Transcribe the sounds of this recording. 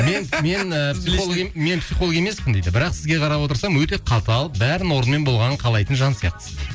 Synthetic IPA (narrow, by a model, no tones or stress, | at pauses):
menme̞nəpsiolˠoɡme̞npsijχo̞lˠoɡe̞me̞spʲɪnd̪ejd̪ɪbɪɾɑqsɪzɡʲe̞qʰɑɾɑpwot̪əɾsɑmwɵt̪e̞qʰɑt̪əɑlˠəp̚bæɾɪnwo̞ɾənəme̞nbo̞lˠʁɑnəɴqʰɑlˠɑjt̪ənʒɑnsijɑq̚t̪ə̥sə